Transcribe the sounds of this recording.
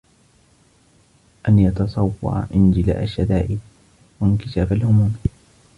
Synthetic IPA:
ʔanjɑt̪ɑsˤɑwːɑ̰ɾ̰ˤʔɪnd͡ʒɪla̰ːʔaʃːad̪aːʔɪ | wankɪʃaːfalhʊmuːm

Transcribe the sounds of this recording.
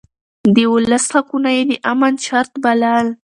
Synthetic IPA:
d̪əwʊlasakunajed̪əʔamant͡ʃaɾt̪balɑl

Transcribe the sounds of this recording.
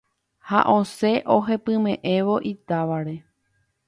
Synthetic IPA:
ha̰ʔõse̞ʔoɦe̞pɨ̃mẽ̞ʔẽ̞ʋo̞ʔit̪aʋaɾe̞

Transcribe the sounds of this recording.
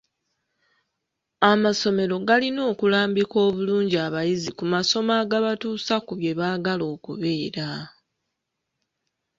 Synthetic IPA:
amaso̞me̞ɾo̞ɡalino̞ːkulaːmbiko̞ːβuluːɲɟiaβajizikumaso̞maːɡaβatuːsakuβje̞βaːɡalo̞ːkṵβe̞ːɾa

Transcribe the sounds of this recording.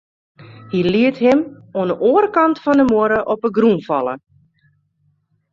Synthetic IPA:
hiliəthɪm | oənəʔoəɾkɑntfɔndəmoəɾəʔɔpəɡrunfɑ̰lˠə̰

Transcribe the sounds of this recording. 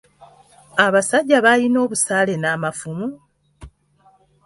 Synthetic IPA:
aβasaɟːaβalino̞ːβusaːle̞naːmafumu

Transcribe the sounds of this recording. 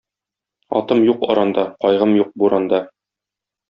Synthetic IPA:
ɒ̰t̪ɤmjuqɒ̰ɾɑnd̪ɑqɒjʁɤmjuq̚buɾɑnd̪ɑ

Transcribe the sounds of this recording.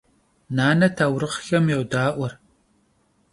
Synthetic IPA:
naːnɐtʰaːwɾɨχxɐmjɛwʷdaːʔʷɔr

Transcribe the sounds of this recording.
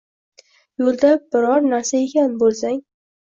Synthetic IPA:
jolˠd̪abɪɾɒɾnaɾsae̞kʲʰanbolˠsaŋ

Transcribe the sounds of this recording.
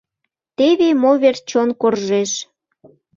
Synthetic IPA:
t̪eβemoβert͡ɕonkorʒeʃ

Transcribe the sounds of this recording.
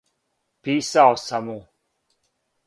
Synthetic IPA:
pisaɔsamũ

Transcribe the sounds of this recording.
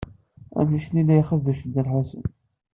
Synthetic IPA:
æ̰miʃnilːæjχəvːæʃəd̪əɾħasə̰n

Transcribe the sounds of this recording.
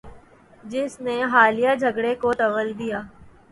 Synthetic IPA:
d͡ʒɪsneɦaːlijad͡ʒʱɐɡɽekot̪ɐʋəld̪ijaː

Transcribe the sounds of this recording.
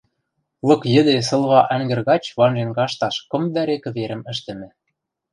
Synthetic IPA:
lɤ̆kjɘ̆d̪es̬ɤ̆lˠβɑʔæŋɡɘ̆rɣɑt͡ɕβɑnʒenɡɑʃt̪ɑʃkɤ̆md̪æɾekɘ̆βeɾɘ̆mɘ̆ʃt̪ɘ̆mɘ̆

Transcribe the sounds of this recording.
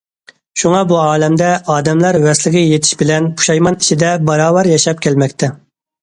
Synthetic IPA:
ʃuŋɑbuɑːlɛmd̪ɛɑːd̪ɛmlɑɾwɛslɪkʲɪjet̪ʰɪ̥ʃbɪlɛnpʰu̥ʃɑjmɑnit͡ʃʰid̪ɛbɑɾɑːwɑɾjɑʃɑp̚kʲʰɛlmɛkʲt̪ʰɛ

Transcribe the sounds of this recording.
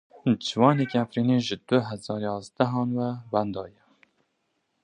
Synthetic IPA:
d͡ʒɪwɑːnekiæfɾiːneːʒɨd̪ʊɦɛzɑːɾjɑːzd̪ɛɦɑːnwɛwænd̪ɑːjɛ

